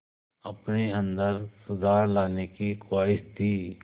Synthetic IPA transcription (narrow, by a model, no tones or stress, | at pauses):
əpneə̃nd̪əɾsʊd̪ʱaːɾlaːnekikaːɪʃt̪ʰiː